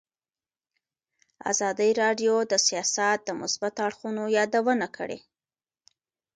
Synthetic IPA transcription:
a̰zɑd̪əjɾɑɖjod̪əsijɑsat̪̚d̪əmʊsbat̪aɽxunojɑd̪awənakʰə̰ɽḛ

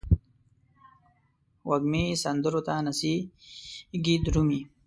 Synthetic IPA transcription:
wɐɡmisɐnd̪əɾot̪aːnɐsi | ɡid̪ɾumi

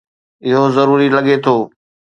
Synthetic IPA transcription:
ɪɦozəɾuːɾiləɠet̪ʰoː

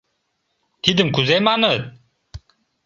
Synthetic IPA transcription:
t̪ʰid̪ɯmkuzejmanɯt̪̚

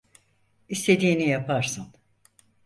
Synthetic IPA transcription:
ist̪ʰe̞d̪iːnijapaɾsan

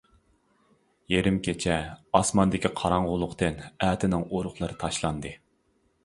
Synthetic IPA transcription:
jeɾɪmkʲʰet͡ʃʰɛɑsmɑnd̪ɪkʲʰiqʰɑɾɑɴʁʊlˠʊqt̪ɨnæːt̪ʰɪnɪŋoɾʊχlˠɨɾɨt̪ʰɑʃlˠɑnd̪ɨ

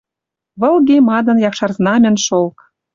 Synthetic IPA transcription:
βɤ̆lɣemɑd̪ɤ̆njɑkʃɑrznɑmʲɘ̆nʃolk

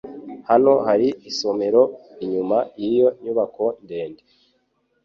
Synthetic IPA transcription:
hano̞haɾiiso̞me̞ɾo̞iɲumajijo̞ɲuβako̞nde̞ːnde

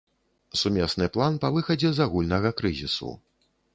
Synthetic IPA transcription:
sumʲɛsnɨplˠanpavɨxɐd͡zʲɛzaɣulʲnɐɣɐkɾɨzʲisṵ

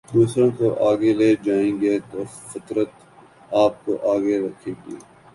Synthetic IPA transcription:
d̪uːsɾõːkoʔaːɡeleːd͡ʒaːẽːɡeːt̪oːfɪt̪ɾət̪ | aːp̚koʔaːɡeɾɐkʰẽːɡiː

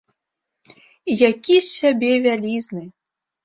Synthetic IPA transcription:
jakʲisʲabʲɛvʲalʲiznɨ

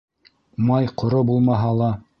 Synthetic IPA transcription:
mɑjqŏɾobulˠmɑɦɑlˠɑ

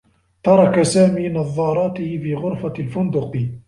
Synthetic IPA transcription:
t̪ɑɾˤɑkasaːmiːnɑðˤːɑːɾˤɑːt̪ɪhɪfiːɣʊɾfalfʊnd̪ʊq

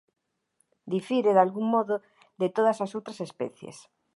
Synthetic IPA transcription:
d̪ifiɾeðalɣuŋmɔðʊ | ðet̪oð̞ɐsasowt̪ɾasespɛ̰θjḛs

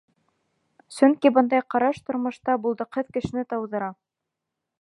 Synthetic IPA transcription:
sɵŋkibɤnd̪ɑjqɑɾɑʃt̪ŏɾmŏʃt̪ɑbulˠd̪ɤqɤðkɘ̆ʃɘ̆nɘt̪ɑwðɤ̆ɾɑ

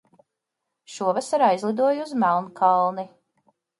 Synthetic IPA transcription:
ʃuɔvasaɾajzlˠid̪uɔjuzmælˠnkʰɑlˠni

